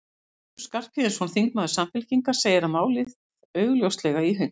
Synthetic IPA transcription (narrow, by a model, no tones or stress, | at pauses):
skar̥pɪðɪsɔnθiŋknaðʏsamfɪlciŋkḁseːjɪɾamaːwlɪð | œːɥɣʏljowst̪lɛɣaiɦʏn